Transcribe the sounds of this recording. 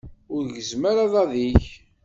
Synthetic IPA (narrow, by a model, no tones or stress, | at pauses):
ʊɾʝəzmaɾaðˤɑðiç